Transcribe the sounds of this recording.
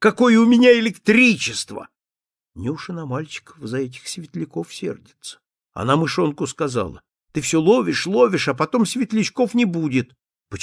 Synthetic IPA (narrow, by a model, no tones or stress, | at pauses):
kɐko̞jəʊmʲɪnʲaɪlʲɪkt̪ɾʲit͡ɕɪst̪və̰ | nʲɪʊʂɨnɐmalʲt͡ɕɪ̥kə̥fzɐɛt̬ʲɪ̥xsʲvʲɪt̪lʲɪkofsʲḛrdʲɪt̪sə̥ | ɐ̰namɨʂo̞nkʊskɐza̰lˠə̰ | t̪ɨfsʲɵlˠovʲɪʂlˠovʲɪʂɐpɐt̪o̞msʲvʲɪt̪lʲɪt͡ɕko̞fnʲɪbudʲɪt̪ | pə